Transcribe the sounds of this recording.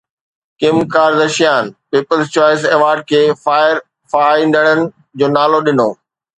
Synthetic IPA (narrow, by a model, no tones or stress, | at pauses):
kɪmkaːɾd̪ɐʃijaːnpiːpəlzt͡ɕɔːɪseːʋaːɾɖ̚kʰeːfaːɪɾ | faːĩnd̪əɽ̃ənɪ̆ | d͡ʑoːnaːloɗɪnoː